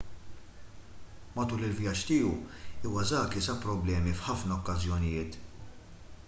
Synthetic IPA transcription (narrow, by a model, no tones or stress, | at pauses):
mɐt̪uːlɪlvjɐt͡ʃːt̪iːuuːwɐzɐːkisɐpɾɔblɛːmifħɐfnɐɔkːɐzjɔnɪjɪːt̪